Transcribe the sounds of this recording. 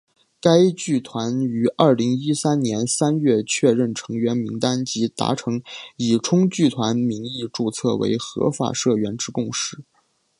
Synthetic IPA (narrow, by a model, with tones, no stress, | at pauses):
ka˥ɪt͡ɕy˥˩t̪ʰwa˧˥ny˧˥ʔɐ˞˥˩li˧˥ŋi˥sa˥nnjɛ˧˥nsa˥nɥɛ˥˧t͡ɕʰɥɛ˥˧ɻə˥˩nʈ͡ʂʰɤ˧˥ŋɥɛ˧˥nmi˧˥ŋt̪a˥nt͡ɕi˧˥t̪a̰˧˥ʈ͡ʂʰɤ˧˥ŋi˨˩ʈ͡ʂʰʊ˥ŋt͡ɕy˥˩t̪ʰwa˧˥nmi˧˥ŋi˥˧ʈ͡ʂu˥˧t͡sʰɤ̰˥˩wḛ˧˥ɪxɤ̰˧˥fa̰˨˩ʂɤ˥˩ɥɛ˧˥nʈ͡ʂɻ̩˧˥kʊ˥˧ŋʂɻ̩˥˩